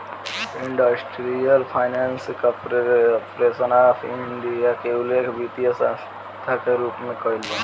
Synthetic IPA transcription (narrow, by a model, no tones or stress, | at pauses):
iɳɖəsʈɾijəlpʰajnanskapɾpɾesənaːpʰiɳɖijakeulekbit̪ijəsa | t̪ʰakeɾuːpmẽkɔilːo